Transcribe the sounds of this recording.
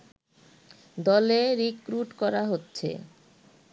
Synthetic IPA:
d̪ɔleɾikɾuʈkɔɾaɦotːɕʰḛ

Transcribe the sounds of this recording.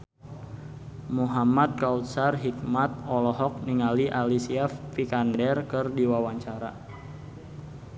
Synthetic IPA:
muɦamat̪̚kaut̪̚sarɦik̚mat̪̚ɔlɔɦɔk̚niŋaliʔalisiafːikandɛrkərdiwawaɲt͡ʃaɾa̰

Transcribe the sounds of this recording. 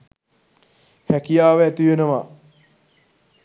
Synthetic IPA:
hækijaːʋəæt̪iʋenəʋa

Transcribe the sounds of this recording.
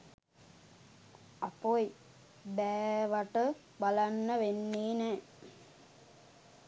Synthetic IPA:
apoji | bɛːʋaʈə | balanːəʋenːeːnɛː

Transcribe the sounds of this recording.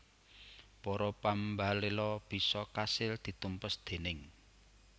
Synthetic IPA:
pɔɾɔpambalelɔb̥i̤sɔkasɪld̪̥i̤t̪umpəsd̪̥e̤nɪŋ

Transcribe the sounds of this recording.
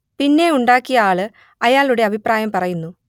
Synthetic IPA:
pinːe̞uɳɖaːkːijɐaːɭɨ | ɐjaːɭuɽe̞ɐbʱipraːjɐmpɐrɐjunːu

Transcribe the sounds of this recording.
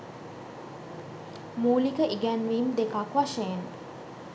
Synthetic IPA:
muːlikəʔiɡænʋiːmd̪ekakʋaʃejen

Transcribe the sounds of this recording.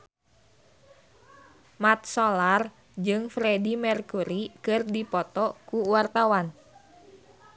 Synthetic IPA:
mat̪̚solar | d͡ʒɨŋfɾedimɛrkuɾikɨrdipɔt̪ɔkuwart̪awan

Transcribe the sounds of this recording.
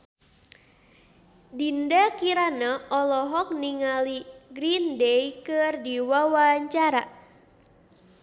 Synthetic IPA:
dindakiɾanaʔɔlɔɦɔk̚niŋaliɡɾindɛjkɨrdiwawaɲt͡ʃaɾa

